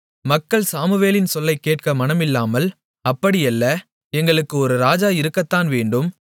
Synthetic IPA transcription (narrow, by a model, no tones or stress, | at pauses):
mɐkːɐɭsaːmɯʋeːlɪnsɔlːɐɪkːeːʈ̚kɐmɐnɐmɪlːaːmɐl | ɐpːɐɽɪjɛlːɐ | ɛŋɡɐɭɯkːɯɔɾɯɾaːd͡ʒaːɪɾɯkːɐt̪ːaːnʋeːɳɖɯm